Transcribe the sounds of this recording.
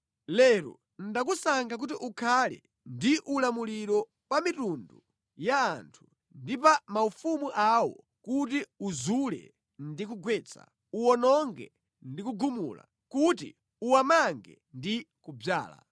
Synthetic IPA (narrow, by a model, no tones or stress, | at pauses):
lɛɾɔ̰ | ndak̬usaŋɡak̬utiʔukʰalɛ̰ | ndiʔulamuliɾɔ | pamitundu | jaːntʰu̥ | ndip̬amaufumuʔawɔ | kutiuzulɛ̰ | ndik̬uɡwɛːt͡sʰa̰ | uɔnɔŋɡɛ̰ | ndikuɡumṵla̰ | kut̬ḭ | uwamaŋɡɛ̰ | ndi | kub͡ʐa̰ːla̰